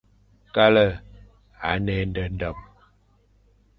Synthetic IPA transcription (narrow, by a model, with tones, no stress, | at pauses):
ka˦lə˦˨ | a̰˨˦nɛ˦n˦də˦n̩˦də˨p̚